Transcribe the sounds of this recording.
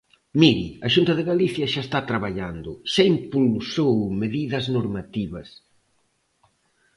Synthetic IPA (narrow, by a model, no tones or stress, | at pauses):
miɾḭɐʃunt̪ɐðɪɣaliθjɐʃaest̪at̪ɾaβaʎand̪ʊʃaimpulsowmeðiðɐznoɾmat̪iβɐs